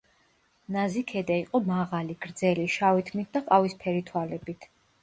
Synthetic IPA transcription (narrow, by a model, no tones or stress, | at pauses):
nazikʰɛd̪aiqʼɔmaʁaliɡ̥ɾd̪zɛliʃawit̪ʰmit̪̚ʰd̪aqʼavispʰɛɾit̪ʰwalɛbit̪ʰ